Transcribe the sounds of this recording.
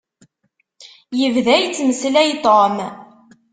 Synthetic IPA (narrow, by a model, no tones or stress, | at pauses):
jəvðæjt͡sːməslæjt̪ˤom